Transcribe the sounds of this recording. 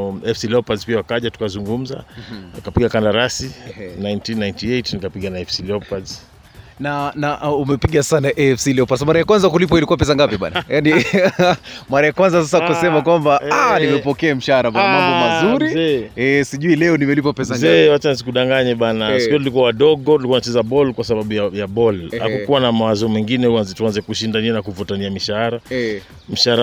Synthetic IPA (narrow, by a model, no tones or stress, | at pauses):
ɛfsilɛpazpiawakaʄatu̥kazuŋɡum̩za̰akapiɠakandaɾasinajntinːajntiejtnikapiɠanaɛfsilɛpaz | nanaʔumɛpiɠassanaʔɛɛfsilɛɔpaɾs̬amaɾajakwanzakulip̬wailikuwapɛs̬aŋɡapiɓa̰najani | maɾajakwanzasas̬akasɛmakwambaanimɛpɔkɛam̩ʃahaɾambanamabɔmazuɾiɛsiʄuilɛɔnimɛlip̬apɛs̬aŋzɛwat͡ʃanzikuɗaŋɡaɲɛɓanasikuɔtulikuawaɗɔɠɔulikuaunat͡ʃɛzaɓɔlkwasaɓaɓujaɓujaɓɔlha̰kukuwanamawazɔmwɛŋɡinɛuanzɛtuanzɛkuʃindaniɛnakuvutaniamiʃahaɾa | m̩ʃaaɾa